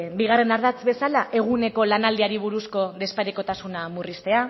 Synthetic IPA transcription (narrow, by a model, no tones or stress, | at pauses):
biɣ̞are̞naɾðat͡sβe̞salaʔe̞ɣ̞une̞ko̞lanald̪iaɾiβ̞uɾusko̞ðe̞spaɾeko̞t̪asunamurist̪e̞a